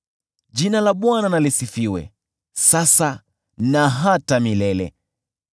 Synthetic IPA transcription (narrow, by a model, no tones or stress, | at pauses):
ʄinalaɓwananalisifiwɛ̰ | sasa | naɦatamilɛlɛ̰